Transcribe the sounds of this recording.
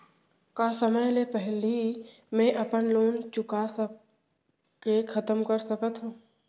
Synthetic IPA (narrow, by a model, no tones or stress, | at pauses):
kasəməjlepɛɦli | mɛ̃ʔɐpənloːnt͡ʃʊkasə | kekʰɐt̪əmkəɾsəkət̪ɦũː